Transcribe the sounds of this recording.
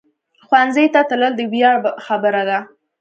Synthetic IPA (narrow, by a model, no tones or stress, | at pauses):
xwanzəjt̪at̪ələld̪əwjɑxabəɾad̪a